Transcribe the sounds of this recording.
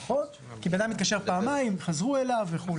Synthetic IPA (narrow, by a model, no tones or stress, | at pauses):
χon | kibead̪amit̪kaʃe̞paːmaimχazʁue̞laveχul